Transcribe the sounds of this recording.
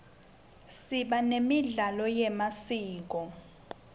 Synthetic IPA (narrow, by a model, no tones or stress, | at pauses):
siɓanemiɮalɔjɛmasiːk̬ɔ